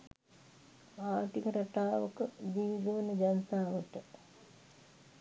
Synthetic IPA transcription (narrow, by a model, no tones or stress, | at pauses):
aːʈikəɾaʈaːʋəkədiːd̪oʋənəd͡ʒanət̪aːʋəʈə